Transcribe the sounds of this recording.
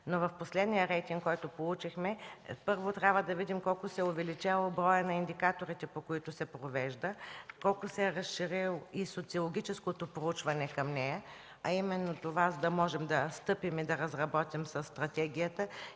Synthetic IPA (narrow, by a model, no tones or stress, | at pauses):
novɐfposlɛd̪nijəɾɛjt̪iŋɡkkːɔjt̪ʊpolˠut͡ʃixmɛpɤɾvot̪ɾʲabvəd̪ɐvid̪imkɔlˠkʊsɛʊvɛlit͡ʃɛlˠobɾɔjənɐind̪ikat̪oɾit̪ɛpokoit̪ʊsɛpɾovɛʒd̪əkɔlˠkʊsɛɛɾɐsʃiɾilˠisot̪siolˠoɡʲit͡ʃɛskot̪opɾout͡ʃvɐnɛkɐmnɛjə | ɐimɛnːot̪ovazəd̪ɐmɔʒɛmd̪ɐst̪ɤpimid̪ɐɾɐzɾɐbɔt̪imsɐsːt̪ɾɐt̪ɛɡʲijət̪ə